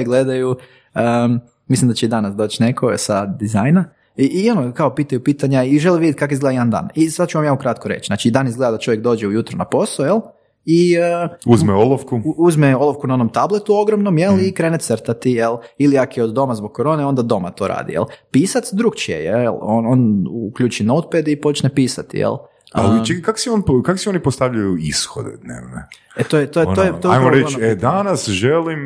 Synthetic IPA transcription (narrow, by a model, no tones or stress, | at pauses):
ɡled̪aju | ə | mislimd̪at͡ɕeid̪anasd̪o̞ːt͡ɕne̞kʰosad̪izajna | iio̞nokaopiːt̪ajupiːt̪aɲaiʒeliʋid̪jet̪̚ʲkakoizɡle̞d̪ajd̪and̪a̰ːnisad̪t͡ʃuʋamjaːukɾat̪koɾḛt͡ɕznaːt͡ʃiid̪anizɡle̞d̪ad̪at͡ʃo̞ʋjek̚d̪o̞ːd͡ʑeujut̪ɾonapo̞sˠojelˠ | iəuzmeolofkuuzmeo̞lˠoʋkunao̞no̞mt̪ablˠet̪uo̞ɡɾomno̞mje̞lˠikɾe̞ːnet̪səɾt̪at̪ijelˠiliakjeod̪ːo̞mazbo̞ɡ̚kːoɾo̞ːneo̞nd̪ad̪o̞ma̰t̪o̞ːɾa̰ːd̪ḭjḛlˠpiːsat̪sd̪ɾukt͡ʃijḛjḛḛlˠononukʎuːt͡ʃinowt̪̚ped̪ipo̞t͡ʃnepiːsat̪ḭjḛlˠ | a̰lit͡ʃekkako̥sɛonkako̥sionipost̪aʋʎajuisxo̰d̪ed̪nḛʋnḛ | et̪ojet̪ot̪ojeoajmoɾet͡ʃed̪anasʒelim